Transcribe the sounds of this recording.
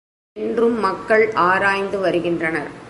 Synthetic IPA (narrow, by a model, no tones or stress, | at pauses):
ndrɯmːɐkːɐɭaːɾaːjnd̪ɯʋɐɾɯɣɪndrɐnɐɾ